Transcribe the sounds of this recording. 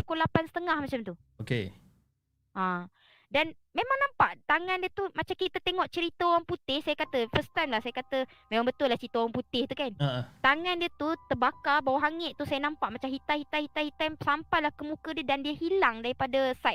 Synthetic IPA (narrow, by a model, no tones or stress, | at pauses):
əkulapansə̥t̪əŋahmat͡ʃamt̪u | oke | ʔã | danmemãŋnãmpaʔt̪aŋãndiət̪umat͡ʃamkit̪ət̪eŋɔʔt͡ʃəɾit̪əoɣaŋput̪ɪhsajakat̪əfəst̪ajmlahsajakat̪ə | mẽmaŋbət̪ʊlːaht͡ʃəɾit̪əowaŋput̪ɪht̪ukanaʔt̪aŋandiət̪ut̪əbakabawaɦaŋɛʔt̪usajənampaʔmat͡ʃamɦit̪ahit̪ahit̪ahit̪ajmsampajlahkəmũkədiədandiəhilaŋdaɾipadəsaj̪̚